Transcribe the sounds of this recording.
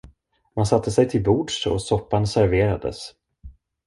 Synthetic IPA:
mansat̪ʰːəsɛjt̪ʰɪlbuːɖʂɔ̰sɔpːansæɾveːɾad̪ə̰s

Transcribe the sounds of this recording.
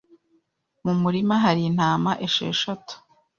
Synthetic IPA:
mumuɾimaɦaɾin̥haːmaʔeʃḛːʃatu̥

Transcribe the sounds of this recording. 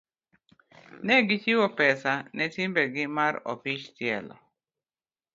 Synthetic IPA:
nɛɡɪt͡ʃiwɔpɛsanɛtɪmbɛɡɪmaɾo̰fiʃtjɛ̰lɔ̰

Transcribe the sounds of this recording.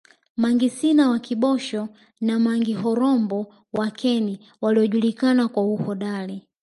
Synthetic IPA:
maŋɡisinawakiɓɔʃɔ | namaŋɡiɦɔɾɔmbɔ | wakʰɛni | waliɔʄulikanakwauhɔɗali

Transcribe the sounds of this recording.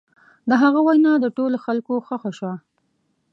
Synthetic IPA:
d̪əɦaɣawajnɑd̪əʈoloxalkoxaxaʃwa

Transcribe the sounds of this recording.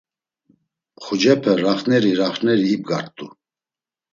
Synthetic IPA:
χud͡ʒɛpʰɛɾaχnɛɾiɾaχnɛɾiːb̚ɡaɾt̪ʼu

